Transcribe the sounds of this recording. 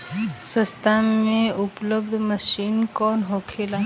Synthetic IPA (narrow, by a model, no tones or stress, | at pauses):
səst̪ʰammẽʊpləbd̪ʱməʃiːnkɔːnɦoːkʰela